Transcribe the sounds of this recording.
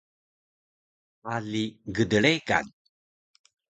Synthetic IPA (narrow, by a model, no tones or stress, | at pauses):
aliɡədəɭeɡa̰n